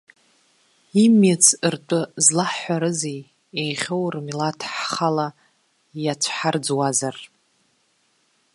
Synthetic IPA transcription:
imat͡sʰɨrtʷʼʊzlaħħːʷaɾɨzej | ejχʲowrmilatʰħχala | jat͡sʷʰħard͡zwazar

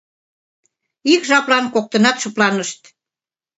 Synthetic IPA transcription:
ikʒɑplɑnkok̚t̪ə̆nɑt̪ʃə̆plɑnəʃt̪

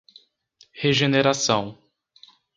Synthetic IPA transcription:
heʒeneɾasɐ̃w̃

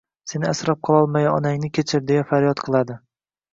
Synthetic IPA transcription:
se̞nɪasɾɒp̚qʰɑlˠɒlˠmajɒnaŋnɪkʲʰet͡ʃʰɪɾd̪e̞jafaɾjɒt̪qʰɨlˠad̪ɪ

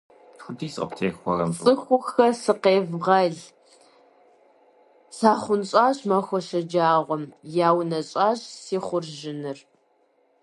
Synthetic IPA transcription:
xʷʊdiːsʼɐ̰ptʰeːxʷɔrɐ̰mt͡sʼɨxʷʊxɐsɨqeːvʁɐɮ | saːχʷʊnɕʼaːɕmɐxʷɔʃɐd͡ʒaːʁʷɔmjaːwnɐɕʼaːɕsiːχʷʊrʒɪnɨr

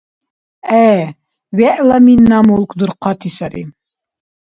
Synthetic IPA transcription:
æ | wæʔlˠɑminːɑmulˠkd̪uɾqːɑt̪isɑɾḭm

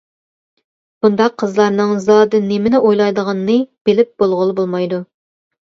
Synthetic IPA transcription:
b̥und̪ɑqʰːəzlˠɑɾnɨŋzɑd̪ɨnemɪnɪʔojlˠɑjd̪əʁɑnːɨb̥ɪlɪp̚b̥olˠʁʊlˠɨbolˠmɑjd̪u

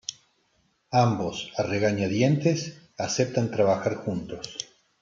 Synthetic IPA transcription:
ambo̞sareɣaɲaðjent̪es | asep̚t̪ant̪ɾaβaxaɾxunt̪o̞s

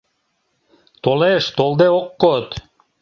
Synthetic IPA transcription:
t̪oleʃt̪olˠd̪eoqːot̪

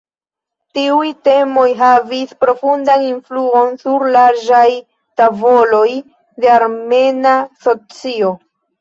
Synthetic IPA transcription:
tiujte̞mo̞jɦavispɾo̞fundaninfluo̞nsuɾlaɾd͡ʒaj | tavo̞lo̞j | de̞aɾme̞naso̞t͡sio̞

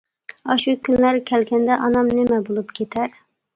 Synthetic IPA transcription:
ɑʃukʲynlæɾkʲʰɛlɡʲɛnd̪ɛʔɑnɑmnɪmɛbolˠupkʲʰet̪ʰæɾ

